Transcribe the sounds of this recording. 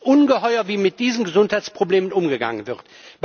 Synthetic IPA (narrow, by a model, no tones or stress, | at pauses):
ʔʊnɡəhɔʏɐviːmɪt̚d̥iːzən̩ɡəzʊnthaɪt͡sspʁ̥obleːmənʔʊmɡəɡa̰ŋənvɪʁt | b̥